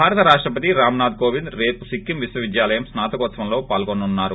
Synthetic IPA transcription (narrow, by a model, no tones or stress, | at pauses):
bʱaːɾɐt̪ɐɾaːʂʈɾɐpɐt̪iɾaːmɐnaːd̪̚koːʋind̪ɾe̞ːpusikːimʋiswɐʋid̪jaːlɐjɐmsnaːt̪ɐkoːt̪sʋɐmlo̞ːpaːlɡonːunːaːɾu